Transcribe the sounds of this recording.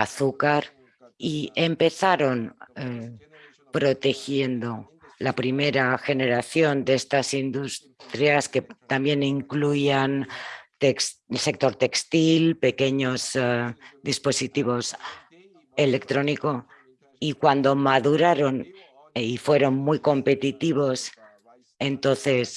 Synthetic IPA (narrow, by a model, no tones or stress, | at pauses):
aθukaɾ | ie̞mpe̞θaɾo̞ne | pɾo̞t̪e̞xje̞nd̪o̞ | lapɾime̞ɾaxe̞ne̞ɾaθjo̞nd̪eest̪asind̪us | t̪ɾjasket̪ambje̞niŋkluiant̪esse̞k̚t̪o̞ɾt̪e̞kst̪ilpe̞ke̞ɲo̞z | d̪ispo̞sit̪iβ̞o̞s | e̞le̞kt̪ɾo̞niko̞ | ikwand̪o̞maðuɾaɾo̞n | ifwe̞ɾo̞nmujko̞mpe̞t̪it̪iβ̞o̞s | e̞nt̪o̞nθe̞s